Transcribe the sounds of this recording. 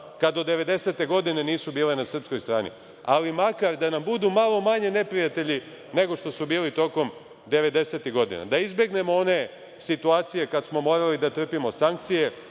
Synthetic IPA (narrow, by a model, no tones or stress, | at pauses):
kad̪od̪ːe̞ʋe̞d̪ese̞t̪e̞ɡo̞d̪ine̞niːsubiːle̞nasr̩psko̞jst̪ɾaːnḭ | alimakaɾd̪anambud̪umalˠomaɲene̞pɾijat̪e̞ʎi | ne̞ɡo̞ʂt̪o̞subiːlit̪o̞ko̞m | d̪e̞ʋe̞d̪e̞se̞t̪iɣɡo̞d̪ḭna̰d̪aizbje̞ɡne̞moo̞ne̞ | sit̪uaːt̪sije̞kad̪smo̞mo̞ːɾalid̪at̪r̩pimo̞saŋk̚t̪sije̞